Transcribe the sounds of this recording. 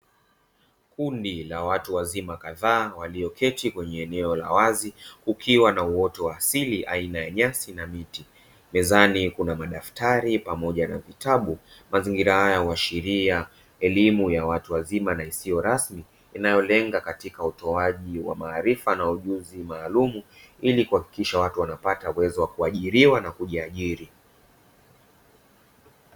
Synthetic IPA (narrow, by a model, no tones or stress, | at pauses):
kundilawatuwazimakaðaːwaliɔkʰɛtikwɛɲɛːnɛɔla̰wazikukʰiwanauɔtɔwaːsiliʔainajaɲasinamiti | mɛzanikunamaɗaftaɾipamɔʄanavitaɓumaziŋɡiɾahajauwaʃiɾia | ɛlimujawatuwazimanaisiɔɾasmiː | najɔlɛŋɡakatikautɔaʄiwa̰maːɾifanauʄuzimaːlumuilikuhaki̥kiʃawatuwanapatauwɛzɔwakuaʄiɾiwanakuʄiaʄiɾi